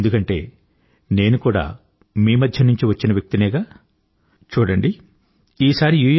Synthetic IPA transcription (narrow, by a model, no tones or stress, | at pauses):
nd̪ukɐɳʈe̞ː | ne̞ːnukuːɽa̰ː | miːmɐd̪ʱjɐnuɲt͡ʃiʋɐt͡ʃːinɐʋjɐk̚t̪inɛːɡaː | t͡ʃuːɽɐɳɖi | iːsaːɾijuːj